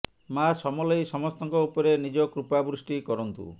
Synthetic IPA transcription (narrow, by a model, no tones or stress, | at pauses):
masɔmɔlɔjsɔmɔst̪ɔŋkɔupɔɾenid͡ʒɔkɾupabɾusʈikɔɾɔnt̪ṵ